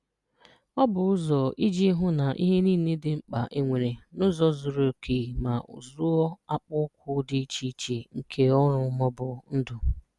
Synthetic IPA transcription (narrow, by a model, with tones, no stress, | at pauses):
ɔ˦bʊ˨ʊ˦zɔ˨i˦d͡ʒi˦ɦʊ˦na˨ʔḭ˦ɦe˦niː˦˨ne˦dɪ˨ŋ͡m̩˦k͡pa˨ʔe˦ŋʷe˨ɾe˨nʊ˦zɔ˨zʊ˨ɾo˨kʰi˨ma˨ʊ̰˨zʊ˦ɔ˦a˦k͡pʊ˦kʷʰʊ˦dɪ˦t͡ʃi˦t͡ʃe˨ŋ̩˨kʰe˦ɔ˦ɾʊ˦mɔ˦bʊ˨n̩˦dʊ˨